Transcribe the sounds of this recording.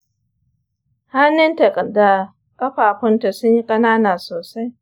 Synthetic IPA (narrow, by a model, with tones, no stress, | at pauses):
ha˦nːɪ˦nta˨kʼɐ˨da˨ | kʼɐ˦ɸaː˨ɸʊ˦nta˨sʊ˦ɲji˦kʼɐ˦naː˦naː˨soː˨sa˦j